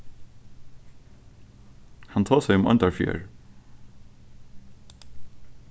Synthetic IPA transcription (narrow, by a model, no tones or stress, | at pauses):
hant̪ʰoːsaɪjʊmɔ̰nt̪aɹfjœ̰ːɹ